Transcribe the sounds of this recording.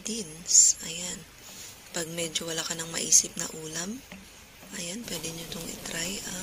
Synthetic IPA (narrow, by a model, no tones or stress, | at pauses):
d̪insɐjan | pɐɡ̚mɛd͡ʒowɐlaːkɐnɐŋmɐ̰ʔiːsɪp̚nɐ̰ʔuːlɐm | ʔɐjanpwɛd̪ɛɲot̪oŋʔɪ̰t̪ɾajɐ